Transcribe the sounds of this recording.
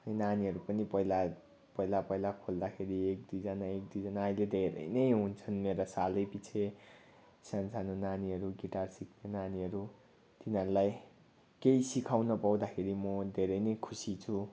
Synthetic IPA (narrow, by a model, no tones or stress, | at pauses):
ʌjnaniɦʌɾupʌnipʌila | pʌilapʌilakʰold̪akʰeɾiek̚d̪ujd͡zʌnaek̚d̪ujd͡zʌnailed̪ʱeɾʌ̰jnʌjɦunt͡sʰʌnmeɾasalʌjpit͡sʰe | sansanonaniɦʌɾuɡiʈarsik̚ʰnenaniɦʌɾu | t̪inɦʌɾulaj | keisikʰawnʌpaw̃d̪akʰeɾimʌd̪ʱeɾʌjnʌjkʰusit͡sʰu